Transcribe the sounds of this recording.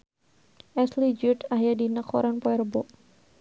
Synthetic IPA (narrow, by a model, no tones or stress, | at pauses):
ɛslid͡ʒut̪ahjadinəkʰɔ̰ɾanpɔɛrbɔʔ